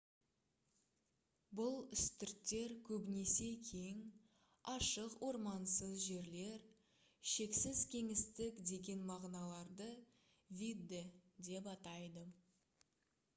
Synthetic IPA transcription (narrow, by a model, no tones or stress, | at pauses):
bʊlˠʏst̪ɪɾt̪ːe̞ɾkʲʰɵbɪne̞se̞kʲʰe̞jŋ | ɑʃəqwʔo̞ɾmɑnsəzʒe̞ɾle̞ɾ | ʃe̞ksɪzkʲʰe̞ŋɪst̪ɪkd̪e̞ɡʲe̞nmɑʁnɑlˠɑɾd̪ə | vʲid̪ːɪd̪e̞p̬ɑt̪ɑjd̪ə